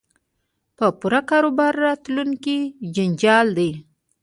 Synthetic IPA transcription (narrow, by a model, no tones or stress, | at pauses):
pəpuɾakɑɾobɑɾːɑt̪luŋkid͡ʒɪnd͡ʒɑld̪ej